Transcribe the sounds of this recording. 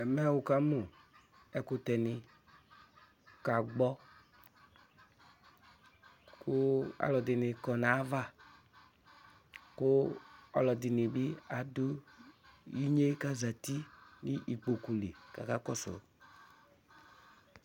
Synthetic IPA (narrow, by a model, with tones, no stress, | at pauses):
ɛ˨mɛ˦a˦˨wu˨ka˦mo˨ | ɛ˨ko˦t̪ɛ˨nĩ˨ | ka˨ɡ͡bɔ˦ | ko˦a̰˨lɔ˨d̪i˨ni˨kɔ˨nã˨˦va˦ | ko˦a̰˨lɔ˨d̪i˨ni˨bi˦a˨do˦ | ji˦ɲe˦ka˦za˨t̪i˦ni˦ʔi˨k͡po˨ku˨le˨ka̰˨ka˦kɔ˦sɔ̰˨˦